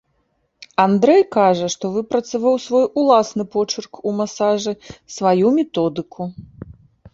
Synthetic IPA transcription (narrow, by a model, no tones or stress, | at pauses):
and̪ɾɛjkaʐɐʂt̪ɔvɨpɾɐt̪savawsvɔjulˠasnɨpɔt͡ʂɨrkumasaʐɨsvajumʲɛt̪ɔd̪ɨkʰu